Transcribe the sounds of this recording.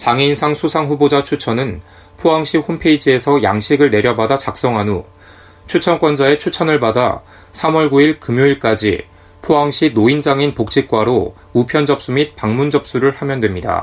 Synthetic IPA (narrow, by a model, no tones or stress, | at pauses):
t͡ɕaŋinsʰaŋsʰusʰaŋɸubod͡ʑat͡ɕʰut͡ɕʰʌnɯn | pʰoɦaŋɕ͈ʰihompʰe̞id͡ʑie̞sʰʌja̰ŋɕʰiɡɯɭne̞ɾjʌbadat͡ɕak̚s͈ʌŋɦanu | t͡ɕʰut͡ɕʰʌnk͈wʌnd͡ʑae̞t͡ɕʰut͡ɕʰʌnɯɭbada̰ | sʰamwʌɭɡuiɭkɯmjoiɭk͈ad͡ʑḭ | pʰoaŋɕ͈ʰinoind͡ʑaŋinpok̚t͡ɕ͈ʰik̚k͈waɾo | upʰjʌnd͡ʑʌp̚s͈umit̚paŋmund͡ʑʌp̚s͈uɾɯɭhamjʌndwe̞mɲida̰